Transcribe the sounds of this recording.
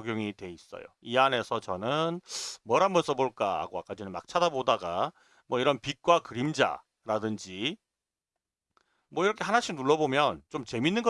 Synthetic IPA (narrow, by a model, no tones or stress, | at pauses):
ɡjoŋitwe̞is͈ʌ̰jo̰iane̞sʰʌt͡ɕʌnɯnmʌɾanmʌns͈ʰʌboɭk͈a̰a̰ɡoa̰k͈ad͡ʑinɯnma̰k̚t͡ɕʰadabodaɡa̰ | mwʌiɾʌnpik̚k͈wakɯɾimd͡ʑa̰ | ɾadɯnd͡ʑi | mwʌiɾʌkʰeɦanaɕʰimnuɭːʌbomjʌnt͡ɕomt͡ɕe̞minːɯnɡʌ